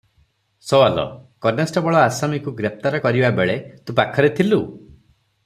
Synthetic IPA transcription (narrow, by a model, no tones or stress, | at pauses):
sɔwalɔ̰kɔɾnasʈɔbɔɭɔasamikuɡɾep̚t̪aɾɔkɔɾibabeɭet̪ũpakʰɔɾet̪ʰilu